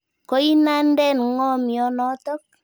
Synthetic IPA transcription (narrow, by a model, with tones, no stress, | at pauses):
ko˦i˦na˦n˦dɛ˦˨nŋɔ˦mi˨ɔ˨˦nɔ˨˦tɔ˦k̚